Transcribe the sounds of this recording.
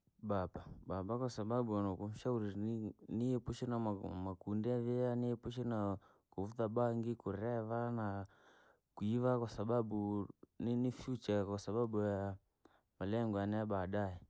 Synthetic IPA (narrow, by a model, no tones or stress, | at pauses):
babababakwasaɓaɓuanɔkum̩ʃauɾiniɛpuʃinaamakundɛavɛaniɛpuʃ̬ina | kuvutaɓaŋɡikuɾɛvana | kuivakwasaɓaɓuninifjut͡ʃakwasaɓaɓuja | malɛŋɡɔanajaɓaɗaɛ